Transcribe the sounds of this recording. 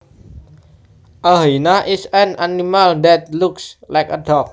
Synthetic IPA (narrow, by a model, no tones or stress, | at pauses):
ʔaɦinaʔisənanimaldɛt̪̚lukslajkədɔk̚